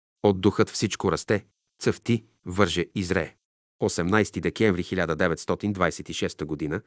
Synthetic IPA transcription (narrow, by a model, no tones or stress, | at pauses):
od̪ːuxɤt̪fsit͡ʃkoɾɐst̪ɛ | t̪sɤft̪i | vɤɾʒɛizɾɛ̰ | osɛmnajst̪id̪ɛkɛ̃ɱvɾixilʲad̪əd̪ɛvɛt̪st̪ɔt̪ind̪vajsɛt̪iʃɛst̪əɡod̪inə